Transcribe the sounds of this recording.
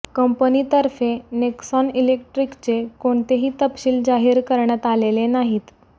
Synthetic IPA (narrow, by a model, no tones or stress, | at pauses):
kəmpənit̪əɾfeneksɔnilek̚ʈɾikt͡sekoɳt̪eɦiːt̪əpɕiːld͡zaɦiːɾkəɾɳjat̪alelenaɦiːt̪